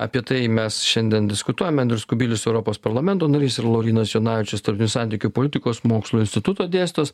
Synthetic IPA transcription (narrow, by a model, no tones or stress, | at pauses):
ɐ̰pʲiɛt̪ɐɪmʲɛsʃʲɛnʲd̪ʲiɛnd̪ʲɪskʊt̪uɔjɛmɛnd̪ʲɾʲʊskʊbʲiːlʲʊsɛʊɾɔpoːspɐɾlˠɐmʲɛnt̪oːnɐɾʲiːsɪɾɐlˠoːɾʲiːnɐsjoːnɑːʋʲɪt͡ʃʲɛst̪ɐɾut̪ʲɪnʲʊːsɑˑnʲt̪ʲɪːkʲʊpoːlʲɪt̪ʲɪkoːsmoːkslˠuːɪnʲsʲt̪ʲɪt̪ʊt̪oːd̪ʲeːsʲt̪oːs